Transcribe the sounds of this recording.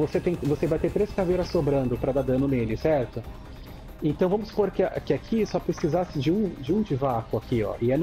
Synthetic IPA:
voset̪ẽj̃vosevajt̪eɾt̪ɾeskavejɾɐsːobɾɐ̃nd̪ʊpɾɐd̪ad̪ɐ̃nʊnelʊsɛɾt̪ʊ | ẽnt̪ɐ̃w̃vɐ̃mʊspoɾkɪkɪakʰisɔpɾesizasɪd͡ʒɪũd͡ʒɪũd͡ʒɪvakʊakiɔ̰ʔɪɛn

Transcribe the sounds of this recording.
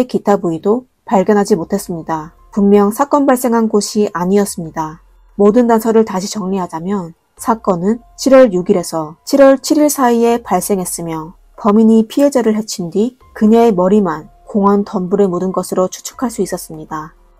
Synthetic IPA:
ekitʰabuido | paɭɡjʌnɦad͡ʑimotʰe̞s͈ɯmɲida | pummjʌŋsʰak͈ʌnbaɭs͈e̞ŋɦanɡoɕʰiʔaɲiʌs͈ɯmɲida | modɯndansʰʌɾɯɭtaɕʰit͡ɕʌŋɲiɦad͡ʑamjʌn | sʰak͈ʌnɯn | t͡ɕʰiɾwʌɭjuɡiɾe̞sʰʌt͡ɕʰiɾwʌɭt͡ɕʰiɾiɭsʰaie̞paɭs͈e̞ŋɦe̞s͈ɯmjʌ | pʌmiɲipʰiɦe̞d͡ʑeɾɯɭɦe̞t͡ɕʰindi | kɯɲeemʌɾiman | koŋʌntʌnbuɾe̞modɯnɡʌsʰɯɾot͡ɕʰu̥t͡ɕʰu̥kʰaɭs͈uis͈ʌs͈ɯmɲida

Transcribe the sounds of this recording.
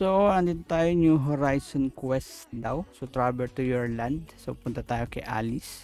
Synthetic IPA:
soand̪it̪at̪ajoɲuɦɔɾajsɔnkwɛsd̪awsot̪ɾabɛlt̪ujɔɹland̪sopunt̪at̪aːjokɛʔa̰lɪs

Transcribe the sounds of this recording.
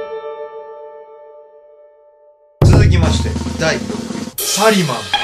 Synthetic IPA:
t͡sɨzɨk̬ʲimaɕi̥t̪e̞̰d̪ai | paɾʲimã

